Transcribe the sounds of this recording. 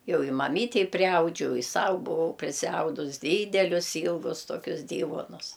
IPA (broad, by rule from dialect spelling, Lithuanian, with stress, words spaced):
ˈjɛʊ ɪ mɐˈmʲiːtʲɛɪ pʲrʲɪˈɐʊd͡ʒʲɛʊ ɪ ˈsɐʊ bʊˈʋɐʊ pʲrʲɪsʲɪˈɐʊdʊs ˈdʲiːdʲɛlʲʊs ˈiːlˠɡʊs toːˈkʲʊs ˈdʲiːʋuɔnʊs